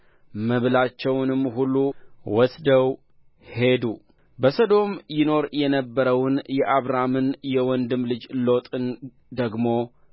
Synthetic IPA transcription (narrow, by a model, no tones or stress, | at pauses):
məβlat͡ʃːɛwnɨmːɦulːuwɔsd̪əw | he̞d̪u | bəsod̪o̞mjɪno̞ɾjɛnəbːəɾəwnjɛʔaβɾamɨnjɛwɔnd̪ɨmlɨd͡ʒlo̞t̪ʼɨn | d̪əɡmo̞